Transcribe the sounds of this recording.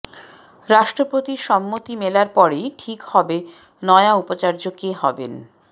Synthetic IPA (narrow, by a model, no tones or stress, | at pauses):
ɾaʃʈɾopɾot̪iɾʃɔmːot̪imelaɾpɔɾejʈʰikhɔbe | nɔeaupot͡ɕaɾd͡ʑokeɦɔbḛn